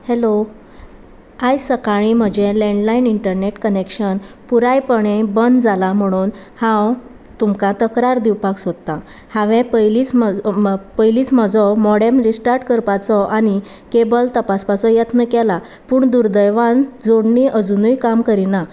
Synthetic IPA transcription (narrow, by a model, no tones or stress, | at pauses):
helo | ajsəkaɽ̃im̤əd͡ʑẽlɛɳɖlainiɳʈəɾneʈkənekɕənpuɾajpəɽẽbənd̪d͡zalam̤əɽ̃uːn | hãw | t̪umkat̪əkɾaɾd̪iwpaksod̪t̪ːa | haʋẽpəjlit͡smpəjliːt͡sməd͡zɔmɔɽemɾisʈaɾʈkəɾpat͡sɔʔani | kebəlt̪əpaspasɔjət̪nəkɛla | puːɳd̪uɾd̪əjʋand͡zoɽɳiʔəd͡zunujkamkəɾina